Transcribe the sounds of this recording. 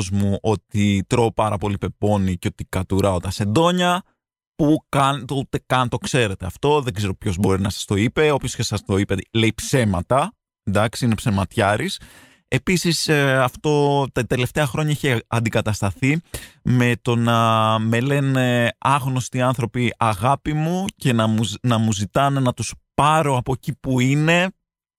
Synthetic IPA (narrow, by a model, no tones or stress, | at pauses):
zmuʔot̪it̪ɾo̞ːpɐɾɐpo̞lipe̞po̞niceo̞t̪ikɐt̪uɾɐo̞t̪ɐse̞nd̪o̞ɲɐ | pukɐnt̪ot̪ekɐnt̪o̞kse̞ɾe̞t̪e̞ɐft̪o̞ðe̞ɡze̞ɾo̞pço̞zbo̞ɾinɐsɐ̥st̪o̞ipe̞o̞pço̞scesɐst̪o̞ipeleipse̞mɐt̪ɐ | nd̪ɐksiinepsemɐt̪çɐɾis | e̞pisisɐft̪o̞t̪ɐt̪e̞le̞ft̪e̞ɐxɾo̞ɲɐeçeɐnd̪ikɐt̪ɐst̪ɐθime̞t̪o̞nɐme̞le̞ne̞ɐɣno̞st̪iɐnθɾo̞piɐɣɐpimuce̞nɐnɐmuzit̪ɐne̞nɐt̪uspɐɾo̞ɐpo̞cipuine̞